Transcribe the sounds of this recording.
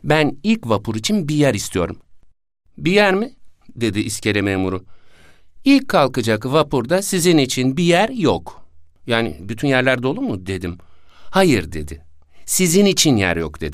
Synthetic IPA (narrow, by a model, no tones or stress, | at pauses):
bænilʲcvapʰuɾit͡ʃʰinbijæɾist̪ʰijo̞̰ɾum | bijæɾmid̪e̞d̪iʔːscʰe̞ɾememuɾu | ilʲcʰːalˠkɯd͡ʒakvapʰuɾd̪asizinit͡ʃʰinbijæɾjokjaːnḭbyt̪ʰynjæɾlʲæɾd̪ɛo̞lˠuɾmud̪e̞d̪im | hajɯɾd̪e̞̰d̪ɪ | sizinit͡ʃʰinjæ̰ɾjo̰kd̪̥e̞d̪i